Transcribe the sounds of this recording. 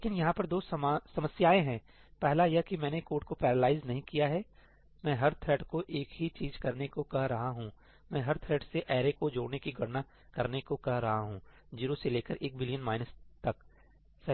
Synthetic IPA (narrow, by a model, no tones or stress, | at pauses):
leːkɪnjɐɦãpɐɾd̪oːsɐmasɐməsjaːeɦɛ̃ː | pɛɦlajɛkimɛ̃ːnekoːʈ̚kopɛːɾəlaːɪznɐɦĩkijaɦɛː | mɛ̃ːɦɐɾt̪ʰɾɛːɖkoʔeːkɦit͡ʃiːzkɐɾnekokɐɦɾɐɦaɦũ | mɛ̃ːɦɐɾt̪ʰɾɛːɖseʔɛːɾekod͡ʒoːɽnekiɡʱɐɽna | kɐɾnekokɐɦɾɐɦaɦũː | d͡ʒiːɾoseleːkəɾʔeːk̚bɪlijənmaːɪnəst̪ɐk | sɐ